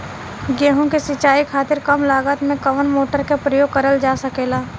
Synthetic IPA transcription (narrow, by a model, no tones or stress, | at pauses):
ɡɛːɦõkesɪt͡ʃaːikʰaːt̪ɪɾkəmlaːɡət̪mẽkəʋənmoːʈəɾkepɾəjoːɡ̚kɐɾəld͡ʒaːsəkeːlaː